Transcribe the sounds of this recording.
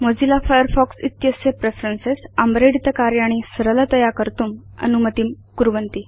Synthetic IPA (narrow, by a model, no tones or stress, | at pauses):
mod͡zilafajəɾfɔksit̪jəsjepɾefɾensesəmbɾeɽit̪əkaɾjaɽ̃isəɾələt̪əjakəɾt̪uːm | ə̰numət̪iːm | kuɾʋənt̪i